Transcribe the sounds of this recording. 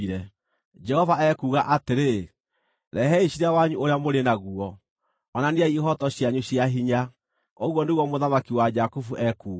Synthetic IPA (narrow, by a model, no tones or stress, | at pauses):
iɾɛ | d͡ʒɛhɔvaɛkuːɣaʔateɾe | ɾɛɦɛiɕiɾawaɲuʔoɾeamoɾenaɣuɔ | ɔnaniaiɦɔtɔɕjaɲuɕjaɦiɲa | oɣwɔndeɣɔmoðamakiwad͡ʒakufuʔɛkuːɣ